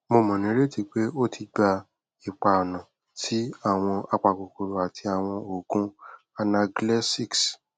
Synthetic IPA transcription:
mo˧mɔ̃˨nĩ˨˦ɾe˦ti˧k͡pe˦o˦tʰi˧ɡ͡ba˧ | i˨k͡pa˨o˨nã˨ | tʰi˦a˦˨w̃ɔ̃˧a˧k͡pa˨ko˨ko˨ɾo˨a˨tʰi˧a˨w̃ɔ̃˧o˨ɡũ˦ | a˧na˧ɡlɛ˦si˦˨ks

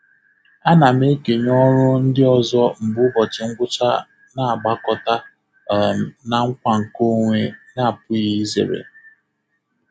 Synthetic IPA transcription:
a˦na˨m˦e˦ke˨ɲɔ˦ɾʊ˦n̩˦dɪ˦ɔ˨zɔ˦m̩˨bʊ˦bɔ˨t͡ʃɪ˨ŋ̩˦ɡʷʊ˦t͡ʃa̰˦ | na˨a˨ɡ͡ba˦kɔ˦ta˦˨ | na˨ŋ̩˦kʷa˨ŋ̩˨ko˦ŋʷe˦na˦˨pʊ˦i˦i˦zḛ˨ɾḛ˨

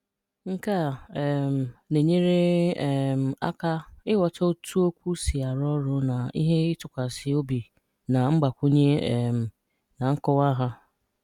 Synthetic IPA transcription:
ŋ̩˦ka˦˨ɛ˨m̩˨ne˨ɲe˦ɾe˦ɛ˨m̩˨a̰˦ka˦ɪ˦wɔ˨tɔ˦tʰu˦o˦kʷu˦si˨a˨ɾɔ˦ɾʊ˦na˨ḭ˦ɦe˦ɪ˦tʊ˨kʷa˨sɪ˦o˦bi˨ | na˨ŋ͡m̩˦ɡ͡ba˨kʷu˦ɲe˦˨m̩˨ | na˨ŋ̩˦kɔ˦wa˦ɦa˦

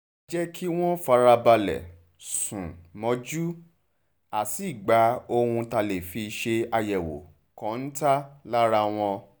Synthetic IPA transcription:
d͡ʒɛ˦kʰi˦w̃ɔ̃˦fa˨˧˦ɾa˧ba˧lɛ̰˨ | sũ˨mɔ̃˧˦d͡ʒu˦ | a˨si˨˦˨ɡ͡ba˨˦o˧hũ˧ta˧le˨fi˧ʃe˧a˧jɛ˨wo̰˨ | kɔ̃˨˦n̩˦ta˦la˦ɾa˧w̃ɔ̃˧

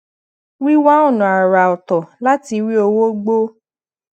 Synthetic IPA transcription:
wi˦wa˦o˦˨nũ˨a˨ɾa˨ɔ˨tɔ˨la˦ti˧wi˦o˧wo˦ɡ͡bo˦

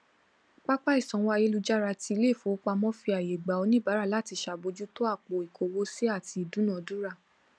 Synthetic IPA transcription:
k͡pa˦k͡pa˦i˦˨sɔ̃˨wa˧je˦lu˧d͡ʒa˦ɾa˧ti˧i˧le˦˨fo˨˦k͡pa˧mɔ̃˦fi˧a˨je˨ɡ͡ba˨o˧nĩ˦˨ba˨˦ɾa˦˨la˦˨ti˧ʃa˧˨bo˨˧d͡ʒu˦to˦a˦˨k͡po˨i˨kʰo˨wo˦si˦a˦˨ti˧˨dũ˨˦nɔ̃˦˨du˦ɾa˦˨

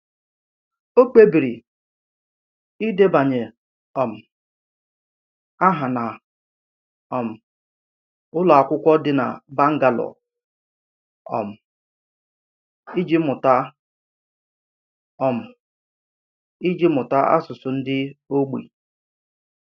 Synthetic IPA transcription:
o˦k͡pe˦bi˨ɾi˨ | i˦de˦ba˨ɲe˨ | ɔ˨m̩˨ | a˦ɦa˨na˨ | ɔ˨m̩˨ | ʊ˦la˨a˨kʷʊ˦kʷɔ˦dɪ˦na̰˨ba˦ŋ̩˦ɡa˨lɔ̰˨ | ɔ̰˨m̩˨ | i˦d͡ʒi˦mʊ˨ta˦ | ɔ˨m̩˨ | i˦d͡ʒi˦mʊ˨ta˦ʔa̰˦sʊ˨sʊ˨n̩˦dɪ˦o˦ɡ͡bḭ˨

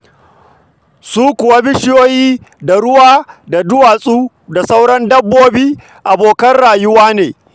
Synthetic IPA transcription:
suː˦kʷʊ˨wa˦bɪ˦ʃɪ˦joː˦jiː˦ | da˨ɽʊ˦waː˦da˨dʊ˦waː˨sʼuː˦ | da˨sa˦wɽɐ˦ndɐ˦bːoː˦biː˦ | ʔa˨boː˨kɐ˦nɽaː˨jʊ˦waː˦neː˨

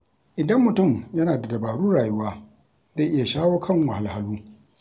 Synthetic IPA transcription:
ʔɪ˨dɐ˦mːʊ˨tʊ˦˨mjɐ˦naː˨da˨dɐ˨baː˨ɽuː˦ɽaː˨jʊ˦waː˦ | za˦˨ʔɪ˦ja˨ʃaː˦woː˦kʰɐ˦˨ŋwɐ˨ha˨lha˦luː˦

